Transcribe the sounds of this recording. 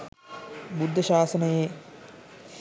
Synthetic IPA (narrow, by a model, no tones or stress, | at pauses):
bud̪ʱːɐʃaːsənɐjeː